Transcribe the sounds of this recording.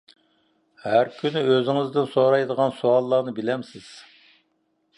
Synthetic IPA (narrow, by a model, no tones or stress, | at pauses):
hæɾkʲʰynɪøzɪŋɪzd̪ɪnsoɾɑjd̪əʁɑnsuɑlˠːɑːnɨbɪlɛmsɪz̥